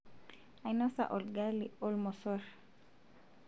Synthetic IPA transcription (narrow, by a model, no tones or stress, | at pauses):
ajnɔsa̰ʔɔlɡaliɔlmɔsɔɾ